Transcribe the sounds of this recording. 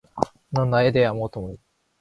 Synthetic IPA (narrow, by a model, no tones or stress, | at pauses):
nãnːaed̪eamoːt̪omoɯ